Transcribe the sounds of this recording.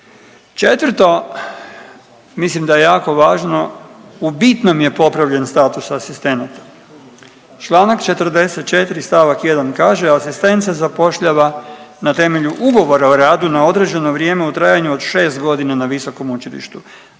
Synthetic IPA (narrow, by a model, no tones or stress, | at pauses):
t͡ʃe̞t̪ʋərt̪o̞ | mislimd̪ajejaːko̞ʋaːʒno̞ubit̪no̞mje̞po̞pɾaʋʎe̞nst̪aːt̪usasist̪e̞nat̪ḁ | t͡ʃlˠaːnakt͡ʃe̞t̪r̩d̪e̞set̪̚t͡ʃe̞t̪iɾist̪aʋakje̞d̪ankaːʒed̪aːsist̪e̞nt̪sezapo̞ʃʎaʋanat̪e̞me̞ʎuʔuɡo̞ʋo̞ɾaoɾaːd̪unao̞d̪ɾe̞d͡ʒe̞noʋɾje̞ːmeut̪ɾaːjaɲuod̪ʃe̞ːst̪ɡo̞d̪inanaʋiso̞ko̞mut͡ʃilḭʃt̪u